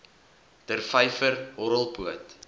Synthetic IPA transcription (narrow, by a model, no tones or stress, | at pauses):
tərfɛjfərɦɔɾəlˠpuət